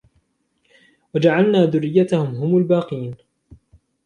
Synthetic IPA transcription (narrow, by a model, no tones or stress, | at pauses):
wad͡ʒaʕalnaːðʊrːɪjːat̪ahʊmɦʊmʊlbaːqiːn